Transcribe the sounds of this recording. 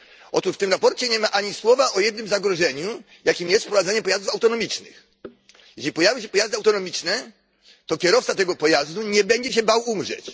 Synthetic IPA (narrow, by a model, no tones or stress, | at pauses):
ɔt̪uʂft̪ɘmɾapɔɾt͡ɕɛɲɛmaʔaɲiswɔvaʔɔjɛd̪nɘmzaɡɾɔʐɛɲu | jakʲimjɛst̪fpɾɔvad̪ɛɲɛpɔjazd̪ufawt̪ɔnɔmʲit͡ʂnɘ̰x | jɛɕlʲipɔjavʲiɕɛpɔjazd̪ɨawt̪ɔnɔmʲit͡ʂnɛ | t̪ɔkʲɛɾɔft̪sat̪ɛɡɔpɔjazd̪uɲɛbɛɲd͡ʑɛɕ̬ɛbawumʐɛ̰t͡ɕ